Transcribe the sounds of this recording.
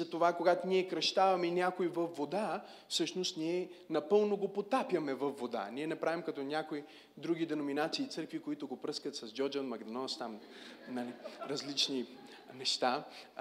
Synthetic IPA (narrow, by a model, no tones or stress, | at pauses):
zɐt̪ovakoɡat̪oniɛkɾɐʃt̪avɐmɛinʲjakoivɐfvod̪a | fsɤʃnost̪niɛnɐpɤlˠnoɡopot̪apʲjɐmɛvɐfːod̪a̰niɛnɐpɾavimkɐt̪ɔnʲakoi | d̪ɾuɡid̪ɛnominat̪siːt̪sɤɾkvikoit̪ʊɡopɾɤskət̪sɐzd͡ʒɔd͡ʒət̪mɐɡd̪ɐnɔst̪am | nɾɐzlit͡ʃni | nɛʃt̪a